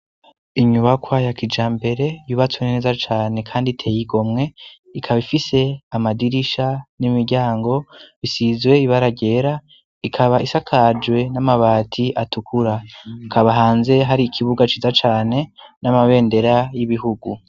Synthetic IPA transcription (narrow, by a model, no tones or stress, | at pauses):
iɲuβakwajakid͡ʒaːmbe̞ɾe̞juβat͡suene̞ːzat͡ʃaːne̞kʰaːnditʰe̞ːjiɡo̞mŋe̞ | ikʰaβifise̞amadiɾiʃanimiɾɟaːŋɡo̞βisizwe̞iβaɾaɟe̞ɾa | ikʰaβaʔisakʰad͡ʒwe̞namaβaːtʰiʔatukʰuɾakʰaβaɦaːnze̞ɦaɾiːkʰiβuɡat͡ʃizat͡ʃaːne̞namaβe̞ːnde̞ɾajiβiɦuɡu